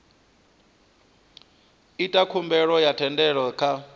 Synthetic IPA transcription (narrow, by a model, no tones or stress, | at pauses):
itʼakʰumbɛɺɔjatʰɛndɛɺɔkʰa